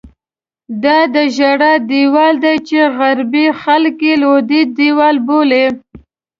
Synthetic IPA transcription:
d̪ɑd̪əʒaɽad̪iwɑld̪ajt͡ʃeɣaɾbixalkelod̪id̪iwɑlbole

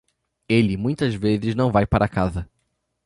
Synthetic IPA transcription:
elɪmũj̃t̪ɐzvezɪznɐ̃w̃vajpaɾʔɐkazɐ

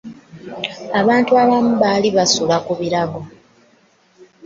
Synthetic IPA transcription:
aβaːntuaβamuβaːliβasulakuβiɾaɡo̞

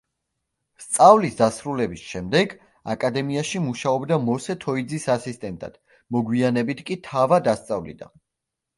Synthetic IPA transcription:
st̪sʼavlisd̪asɾulɛbisʃɛmd̪ɛɡ | a̰kʼad̪ɛmiaʃimuʃaɔbd̪amɔsɛt̪ʰɔid̪zisasist̪ʼɛnt̪ʼa̰d̪̥ | mɔɡwianɛbit̪ʰkʼit̪ʰavad̪ast̪sʼavlḭd̪a̰

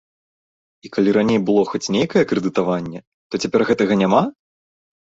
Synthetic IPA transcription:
ikalʲiɾanʲejbɨlˠɔxɔt͡sʲnʲejkɐjɛkɾɛd̪ɨt̪avanʲːɛ | t̪ɔt͡sʲapʲɛrɣɛt̪ɐɣɐnʲama

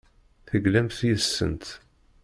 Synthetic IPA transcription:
θəɡlæmθjəsːə̰nt̪

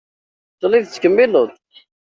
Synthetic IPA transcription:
t̪ˤːliðt͡sːkəmːilʊðˤ

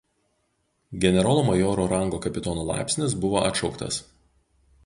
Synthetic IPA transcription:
ɡʲɛnʲɛɾoːlˠoːmɐjoːɾoːɾɐŋɡoːkɐpʲɪt̪oːnoːlˠɑ̰ˑɪpʲsʲnʲɪs̬bʊʋoːʔɐ̰t̪ʃɒʊkt̪ɐ̰s

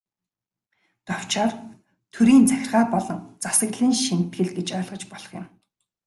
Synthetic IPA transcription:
t̪ɔw̥t͡ɕaːr | t̪ʰɵɾiːnt͡sæxʲɪ̆rʁaːpɔɮɞ̆ŋt͡sasə̆ɣɮiːnʃin̥t̪ɡɘ̆ɮɡet͡ɕœːɮʁɞ̆t͡ɕpɔɮɞ̥̆χjɪ̆m

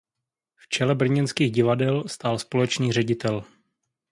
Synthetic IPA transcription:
ft͡ʃɛlɛbr̩ɲɛnskiːɣɟɪvadɛlst̪aːlspo̞lɛt͡ʃniːr̝ɛɟɪt̪ɛl

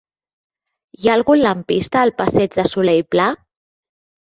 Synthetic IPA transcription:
jaːlˠɣunləmpist̪əːlˠpəsɛd͡ʒðəsulɛjpla

